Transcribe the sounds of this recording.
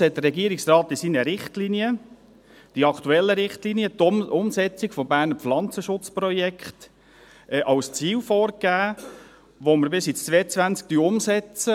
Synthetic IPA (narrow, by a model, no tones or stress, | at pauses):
hɛt̚d̥̪əɾrɾɛɡiəɾiksrɑːt̪ɪsinəɾɪχtliniə | d̥iɑkʰt̪uɛlːəɾɪχtliniət̪ʊmsɛt͡sɪɡfɔbæːɾnəflɑnt͡səʃʊt͡sprɔjɛkχt | ɛʔɑlst͡siːwfɔːɾɡæː | ʋoməɾbɪsit͡st͡sʋɛːət͡sʋænt͡sk̚t̪yʊmsɛt͡sə